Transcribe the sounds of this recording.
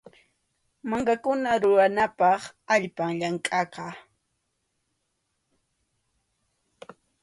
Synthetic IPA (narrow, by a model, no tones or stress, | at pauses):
maŋkakʊnaɾʊɾanapɑχaʎpaŋʎaŋkʼɑqɑ